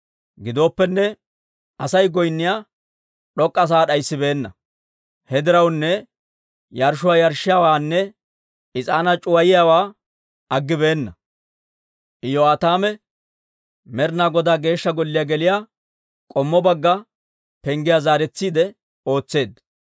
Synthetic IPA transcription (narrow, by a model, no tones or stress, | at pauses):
ɡɪd̪o̞ːpːɛnːɛ | ɐsɐjɡɔjnːɪjaː | ɗɔkʼːɐs̬aːɗɐjsːɪbe̞ːnːɐ | hɛd̪ɪɾɐwnːɛ | jɐɾʃʊwaːjɐɾʃɪjawaːnːɛ | ɪt͡sʼaːnɐt͡ʃʼʊwɐjɪjawaː | ɐɡːɪbe̞ːnːɐ | ʔɪjɔaːt̪aːmɛ | mɛɾnaːɡɔd̪aːɡe̞ːʃːɐɡɔlːɪjaɡɛlɪjaː | kʼɔmːɔbɐɡːɐ | pɛŋɡɪjazaːɾɛt͡sːiːd̪ɛ | o̞ːt͡sːe̞ːd̪